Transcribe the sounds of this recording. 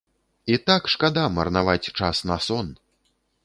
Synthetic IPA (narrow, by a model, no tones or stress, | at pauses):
it̪akʂkad̪amɐrnavat͡sʲt͡ʂasnɐsɔn